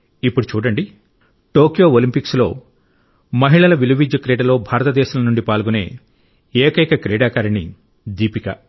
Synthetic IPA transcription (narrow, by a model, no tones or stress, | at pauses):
ipːuɽut͡ʃuːɽɐɳɖi | ʈo̞ːkijo̞ːolimpikslo̞̰ː | mɐɦiɭɐlɐʋiluʋid͡ʒɐkɾeːɖɐlo̞ːbʱaːɾɐt̪ɐd̪ɛːʃɐmɐnuɳɖipaːlɡune̞̰ː | eːkɐjkɐkɾeːɖaːkaːɾɐni | d̪iːpikɐ̰